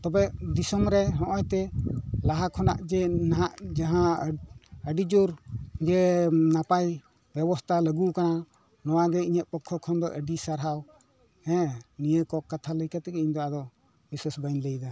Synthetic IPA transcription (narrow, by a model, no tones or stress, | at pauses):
t̪ɔbɛʔd̪isɔmɾɛɦɔ̃ʔɔjt̪ɛlaɦakʰɔna̰ʔd͡ʒɛnaɦaʔd͡ʒaɦã | əɖid͡ʒuɾd͡ʒɛnapaj | bjɛbɔst̪ʰaləɡukana | nɔwaɡɛiɲəʔ̪̚pɔkʰːɔkʰɔnd̪ɔʔəɖisaɾɦaw | hɛ̃nijəkɔkːat̪ʰaləjkat̪ɛɡɛiɲd̪ɔad̪ɔ | biswasbəjnləjd̪a